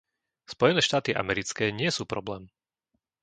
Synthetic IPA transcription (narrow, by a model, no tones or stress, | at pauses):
spɔjɛnɛːʃt̪aːt̪iʔa̰mɛɾit͡skɛːɲɪɛsuːpɾɔblɛːm